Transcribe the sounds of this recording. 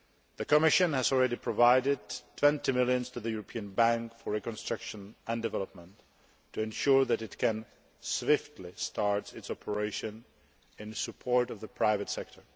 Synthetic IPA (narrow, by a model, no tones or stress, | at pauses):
ðɨkəmɪʃɨ̃nhæzɔl̩ˠɹɛɾipʰɹɔvaɪɾɪdtʰw̥ɛ̃ntimɪlˠjə̃nstuðəjuɹɔpʰiə̃nbæ̃ŋkfɔɹɹikɔ̃nstɹ̥akʃə̃næ̃ndɨvɛləp̚mə̃ntʰː | uɛ̃nʃuɹðæɾɪtkʰɛ̃n | swɪftʰlɪstʰɑɹtɪtsɔpʰəɹeɪʃɨ̃n | ɪ̃nsɨpʰɔɹtʌvðəpʰɹaɪvɨtsɛk̚tʰə˞